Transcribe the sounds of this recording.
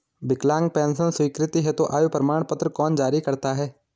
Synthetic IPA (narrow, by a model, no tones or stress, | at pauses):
bɪklãːŋɡ̚pɛ̃ːnsənswiːkɾɪt̪iɦɛt̪õʔaːjuːpɾəmaːɳ̃pət̪ɾəkɔːnd͡ʒaːɾikɐɾt̪aɦɛː